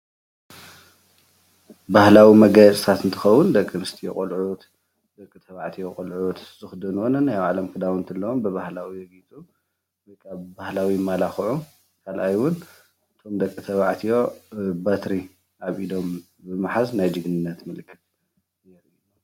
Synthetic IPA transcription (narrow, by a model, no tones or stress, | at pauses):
bahlawimɐɡajɛt͡sʼɨt̪ʰat̪ɨnt̪ʰɨ̥xɐwːʊnd̪ɐkʼːɨnɨst̪ʰijo̰kʼɐlʕu | d̪̥ɐkʼːɨt̪ʰɐβaʕt̪ʰijokʼɐlʕut̪ʰzɨxud̪ɐnwonɐnːajawʕalɐmkʰɨd̪aβnt̪ʰɐlːɐwombɨβahlawijɛɡit͡sʼu | dɨkʼːabahlawimalaxɨʕu | kʰalʔajwʊn | ɨt̪ʰo̞md̪ɐkʼːit̪ʰɐβaʕt̪ʰijo̞bat̪ɾi | ʔaβid̪o̞m | bɨmaħaznajd͡ʒɨɡnɨnːɐt̪mɨlɨkʰːɨ̥t̪ | jɛɾɨu